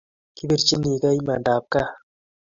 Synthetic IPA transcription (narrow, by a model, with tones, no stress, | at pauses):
ki˦bi˦˨ɾt͡ʃi˦ni˨ka˦jma˨ndaː˨p̚ka˦